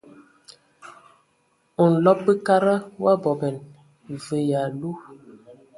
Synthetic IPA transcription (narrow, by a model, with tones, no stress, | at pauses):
u˨n̩˨lɔ˦p̚bə˦ka˦ɾə˦wa˦bɔ˨bɛ˨n | və˨ja˨lu˦